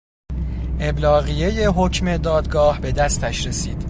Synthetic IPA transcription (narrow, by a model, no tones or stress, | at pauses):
ʔe̞blɒːɣije̞je̞ɦocʰme̞d̪ɒːd̪ɡɒːhbe̞d̪æst̪ʰæʃɾe̞siːd̪̥